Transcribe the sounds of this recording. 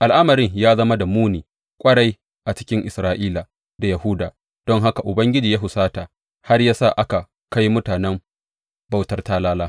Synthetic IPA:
ʔa˨lʔa˦mɐ˨ɾɪ˦ŋjaː˦zɐ˦ma˦da˨muː˦niː˨ | kʷʼɐ˦ɽa˦j | ʔa˨t͡ʃɪ̥˦kʲɪ˦ŋʔɪ˨sɾaː˦ʔiː˦la˨ | da˨jɐ˨hu˦daː˨ | d̥ɔ˦ŋɦa˦ka˨ʔʊ˨bɐ˦ŋɡʲɪ˦d͡ʒiː˨jaː˦ɦʊ˨saː˦taː˨ | ha˦rjaː˦sa˦˨ʔa˦ka˨ | ka˦jmʊ˦taː˨nɛ˦m | ba˦wtɐ˦rtaː˦laː˦laː˦

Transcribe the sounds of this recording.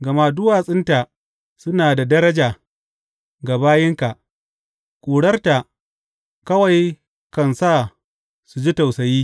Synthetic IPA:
ɡɐ˨ma˦dʊ˦waː˨sʼɪ˦nta˨ | sʊ˦naː˨da˨dɐ˦ɾɐ˦d͡ʒaː˨ | ɡa˨baː˦jɪ˦ŋka˨ | kʷʼuː˨ɽɐ˦rta˨ʔ | kɐ˦wa˨j | kɐ˨nsaː˦˨ | su˨d͡ʒi˦ta˨wsɐ˨jiː˦

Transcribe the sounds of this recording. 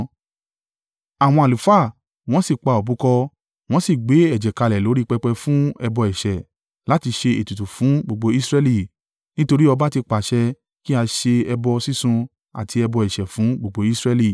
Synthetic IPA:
a˨w̃ɔ̃˧a˨u˨fa˦˨ | w̃ɔ̃˦si˦˨k͡pa˧˨o˨bũ˨˦kɔ˧ | w̃ɔ̃˦si˦˨ɡ͡be˨˦ɛ˦˨d͡ʒɛ˨ka˧lɛ˨lo˨˦ɾi˦k͡pɛ˧k͡pɛ˧fũ˦ɛ˧bɔ˧ɛ˨ʃɛ˨ | la˨˦ti˧ʃe˧e˨tu˨tu˨fũ˨˦ɡ͡bo˨ɡ͡bo˧i˦sɾɛ˦˧li˧˨ | nĩ˦to˧ɾi˦ɔ˧ba˦ti˧k͡pa˨ʃɛ˧˦ | ki˦a˧ʃe˧ɛ˧bɔ˧si˦sũ˧ | a̰˨ti˧ɛ˧bɔ˧ɛ˨ʃɛ˨fũ˨˦ɡ͡bo˨ɡ͡bo˧˦i˦sɾɛ˧li˦˨

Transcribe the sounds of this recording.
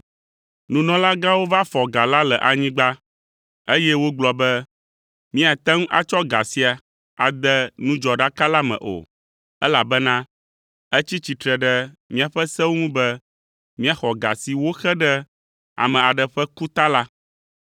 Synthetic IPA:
nũ˨nɔ̃˨la˦ɡa˦wo˦va˦fɔ˨ɡa˨la˦lɛ˨ʔa˨ɲĩ˦ɡ͡ba˦ | e˦jɛ˦wo˦ɡ͡blɔ˨bɛ˦ | mĩ˦a˨t̪ɛ˦ŋũ˦ʔa̰˨t͡ʃɔ˦ɡa̰˨si˦a˨ | a˨d̪ɛ˦nũ˦d͡ʒɔ˨ɖa˦ka˦la˦mɛ̰̃˨ʔo̰˨ | ɛ˦la˨bɛ˦nã˦ | ɛ˦t͡ɕi˦t͡ɕi˨t̪ɾɛ˨ɖɛ˦mĩ˦a˨ɸɛ˦sɛ˦wo˦ŋũ˦bɛ˦ | mĩ˦a˨xɔ˨ɡa̰˨si˨wo˦xɛ˦ɖɛ˦ | a̰˨mɛ̃˨a˨ɖɛ˨ɸɛ˦ku˦t̪a˦la˦

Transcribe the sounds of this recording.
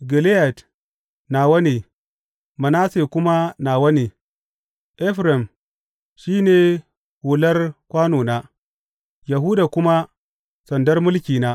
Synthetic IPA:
ɡi˨le˦ja˨t | naː˨wɐ˦ne˨ | mɐ˨na˦se˨kʷʊ˦ma˦naː˨wɐ˦ne˨ | ʔɛ˦ɸɾa˨m | ʃiː˦ne˨ | hu˨lɐ˦rkʷaː˦noː˨na˦ | ja˨ɦu˦daː˨kʷʊ˦ma˦ | sɐ˨ndɐ˦rmʊ˦lkʲiː˨na˦

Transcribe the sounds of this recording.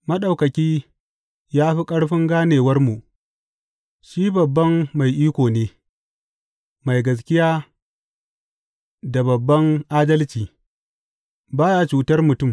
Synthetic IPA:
mɐ˦ɗa˨wkɐ˨kʲiː˦ | jaː˦ɸi˦kʼɐ˦ɽɸɪ˦ŋɡaː˦neː˨wɐ˦rmu˨ʔ | ʃiː˦bɐ˨bːɐ˦mːa˨jʔiː˦kʷoː˨neː˦ | ma˨jɡɐ˨s̬kʲɪ˦jaː˦ | da˨bɐ˨bːɐ˦ŋʔaː˦dɐ˦lt͡ʃiː˨ | baː˦jaː˦t͡ʃuː˨tɐ˦rmʊ˨tʊ˦˨m

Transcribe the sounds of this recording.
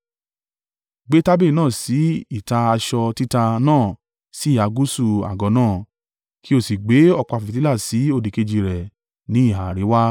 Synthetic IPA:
ɡ͡be˦ta˦be˦˨nãː˦˨si˨˦i˦˨ta˧a˧ʃɔ˧ti˦ta˧nãː˦˨ | si˨˦˨a˨˧ɡu˦su˧a̰˨ɡɔ˨˦nãː˦˨ | ki˦o˧˨si˨ɡ͡be˨˦ɔ˧k͡pɔ˧˨fti˦la˦˨si˨˦o˧˨di˨ke˧d͡ʒi˧ɾɛ˨ | nĩ˨˦i˦˨ɦa˨ɾe˨˦wa˦

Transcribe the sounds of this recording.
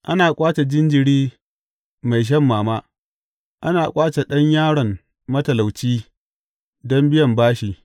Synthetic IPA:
ʔa˦naː˨kʷʼaː˦t͡ʃe˨d͡ʒɪ˦nd͡ʒɪ˨ɽiː˦ | ma˨jʃ̬ɐ˦mːaː˨maː˦ | ʔa˦naː˨kʷʼaː˦t͡ʃe˨ɗɐ˦ɲjaː˦ɽɐ˨m | mɐ˦tɐ˨la˨wt͡ʃiː˦ | dɔ˦mbɪ˦jɐ˨mbaː˦ʃiː˨

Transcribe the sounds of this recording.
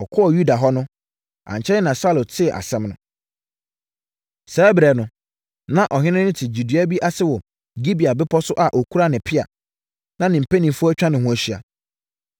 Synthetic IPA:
ɔ˨kʰɔ˦ɔ˨ju˦da˨ɦɔ˦nʊ̃˦ | ʔã̰˨ɲ˨t͡ɕʰɛ˦ɪ˦nã˨sa˦lo˨tʰɪ˦˨ʔa̰˨sɛ̃˦mnʊ̃˦ | sɛ˨˦bɾɛ˨nʊ̃˨ | nã˦ʔɔ˨hɪ̃˦nɪ̃˦nɪ̃˦tʰɪ˨d͡ʑu˨di˦a˦bi˦ʔa˦sɪ˦wɔ˨ | ɡi˦bi˨a˨bɪ˦pʰɔ˦sʊ˦ʔa˨ʔo˨kʰu˦ɾa˦nɪ̃˨pʰɪ˦a̰˨ | nã˦nɪ̃˨m̩˨pʰe˦nĩ˨mfu˦æ˦t͡ɕᶣã˦nɪ̃˨hʊ̃˨æ˨ɕi˦˨a̰˨

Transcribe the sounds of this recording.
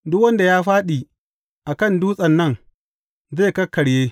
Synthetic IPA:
dʊ˦kwɐ˦nda˨jaː˦ɸaː˦ɗi˨ | ʔa˨kɐ˦˨nduː˦sʼɐ˨nːɐ˦˨ŋ | zeː˦˨kɐ˦kːɐ˨ɽjeː˦

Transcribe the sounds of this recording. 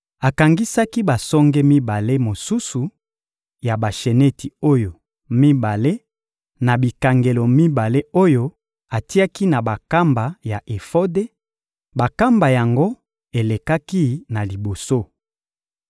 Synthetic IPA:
a˨ka˨ŋɡi˦sa˦ki˦ba˨sɔ˦ŋɡɛ˦mi˦ba˨le˦mo˨su˦su˨ | ja˨ba˨ʃe˨ne˦ti˨o˦jo˨ | mi˦ba˨le˦ | na˨bi˨ka˨ŋɡe˨lo˨mi˦ba˨le˦o˦jo˦ | a˨ti˦a˦ki˦na˨ba˨ka˦mba˨ja˨ʔe˨fo˦de˦ | ba˨ka˦mba˨ja˨ŋɡo˦ | e˨le˨ka˦ki˦na˨li˨bo˨so˦

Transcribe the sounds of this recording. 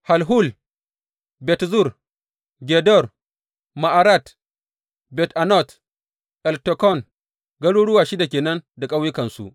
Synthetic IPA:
ha˨lɦu˦˨l | bɛ˨tzu˦˨r | ɡʲɛ˨dɔ˦˨r | ma˨ʔa˨ɾa˦˨t | bɛ˨tʔa˨nɔ˦˨t | ʔɛ˨ltɔ˨kɔ˦˨n | ɡɐ˦ɽuː˦ɽʊ˦waː˨ʃi˦da˨kʲeː˨nɐ˦nda˨kʼa˦wjɪ˦kɐ˨nsṵ˦ʔ

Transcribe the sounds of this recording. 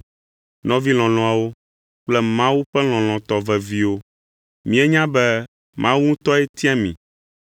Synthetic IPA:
nɔ̃˦vi˦l̃ɔ̃˨lɔ̃˨a˨wo˦ | k͡plɛ˦mã˦wu˦ɸɛ˦l̃ɔ̃˨l̃ɔ̃˨t̪ɔ˨vɛ˨vi˦wo˦ | mĩ˨˦e˦ɲã˦bɛ˦ | mʔã˦wu˦ŋũ˦t̪ɔ˦ɛ˦t̪i˦a˦mĩ˨

